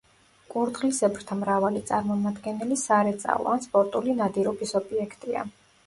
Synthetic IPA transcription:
kʼuɾd̪ʁlisɛbɾt̪ʰamɾavalit̪sʼaɾmɔmad̪ɡɛnɛlisaɾɛt̪sʼa̰ɔ̰anspʼɔɾt̪ʼulinad̪iɾɔbisɔbiɛkʰt̪ʼia̰

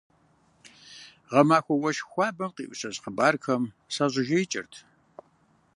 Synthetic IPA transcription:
ʁɐmaːxʷɔwɐʃxʷɑːbɨqʼḭːʔʷsɐzqəbaːrkʰɐm | saʑɪʒɐjt͡ʃʼɪ̰rtʰ

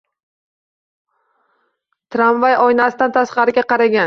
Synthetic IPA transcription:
t̪ʰɾamvajɒjnasɪd̪ant̪ʰasqɑɾɪɡʲaqʰɑɾaɡʲan

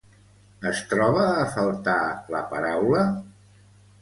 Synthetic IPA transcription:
əst̪ɾɔβəːfəlˠt̪aləpəɾawlə

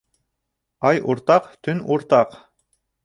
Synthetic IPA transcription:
ɑjuɾt̪ɑqt̪ɵnuɾt̪ɑq

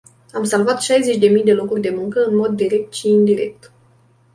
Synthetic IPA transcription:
amsalvat̪ʃajze̞t͡ʃʲd̪e̞mijd̪e̞lo̞kurʲd̪e̞muŋkəɨnmo̞d̪ːiɾe̞k̚t̪ʃiːnd̪iɾe̞k̚t̪

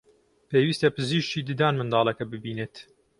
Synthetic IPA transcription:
peːwist̪ɐpɨziʃt͡ʃiːd̪ɨd̪aːnmɨnd̪ɑːlˠɐkɐbɨbiːneːt̪

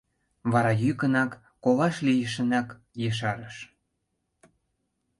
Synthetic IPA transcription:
βɑɾɑjykə̆nɑkː | olɑʃlijəʃ̬ə̆nɑk | jəʃ̬ɑɾəʃ

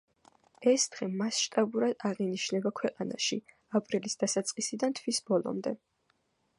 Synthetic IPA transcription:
ɛsd̪̥ʁɛmasʃt̪ʼabuɾad̪̥aʁiniʃnɛbakʰwɛqʼana̰ʃi | apʼɾilisd̪asat̪sʼqʼisid̪ant̪ʰwisbɔlˠɔ̰md̪ɛ

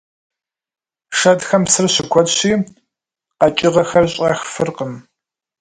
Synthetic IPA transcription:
ʂɐdxɐmsɨrɕɪkʷʰɔtɕiː | qɐt͡ʃʼɪʁɐxɐrɕʼɐxfɨrqəm

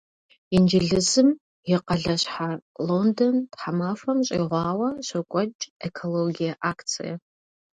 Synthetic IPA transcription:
ind͡ʒɪɮɨzɨm | jɪqɐɮɐɕħalondontħamafɐmɕʼiːʁʷɑːwɐɕɐkʷʼɔt͡ʃʼekʰoloɡijɐʔaːkʰt͡sʰḭjɐ

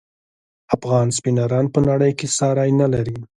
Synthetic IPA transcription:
afɣɑnspinɑɾɑnpənaɽəjkesɑɾɑjnalaɾi

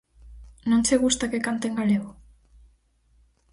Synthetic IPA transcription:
nõnseɣ̞ust̪akekant̪eŋɡaleɣo

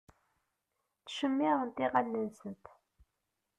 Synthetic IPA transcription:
θʃəmːiʁənt̪iʁalːənsənt̪

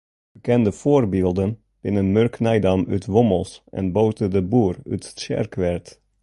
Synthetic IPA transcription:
bəkɛndəv̥oːrbɪːlˠdən | b̥ɪnənmøɹknajdɑmytʋɔməlˠsʔɛ̰nbowtədəbuːry̰tsɛ̰ɹkʋɛɹt

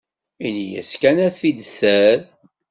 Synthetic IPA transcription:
inijæ̰skænæθid̪θæɾ

